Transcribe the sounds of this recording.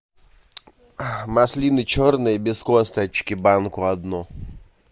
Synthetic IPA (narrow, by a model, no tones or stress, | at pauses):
mɐslʲinɨt͡ɕornɨjəbʲɪskost̪ɐt͡ɕkʲɪbankʊɐd̪nɔ